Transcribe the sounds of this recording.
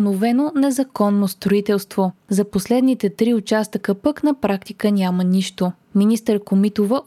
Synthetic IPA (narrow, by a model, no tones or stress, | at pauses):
novɛnonɛzɐkɔnːost̪ɾoit̪ɛlˠst̪vozɐposlɛd̪nit̪ɛt̪ɾiʊt͡ʃast̪əkəpəknɐpɾak̚t̪ikənʲaməniʃt̪o | minist̪əɾkomit̪ovə